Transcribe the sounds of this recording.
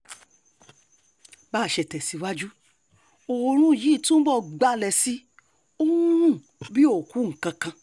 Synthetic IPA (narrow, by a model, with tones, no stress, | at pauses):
ba˦˨ʃɛ˨tɛ˨si˨˧wa˦d͡ʒu˦ | o˨˧ɾ̃ũ˦˨ji˨˦˨tũ˦bɔ˦˧ɡ͡ba˦lɛ˧si˦ | o˦ũ˦ũ˦˨ | bi˦o˦˨ku˨˦ŋ̩̃˨kã˧kã˧